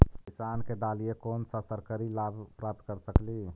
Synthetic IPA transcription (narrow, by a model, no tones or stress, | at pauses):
kisaːnked̪aːlijekoːnsəsəɾkəɾilabpɾap̚t̪̚kəɾsəkli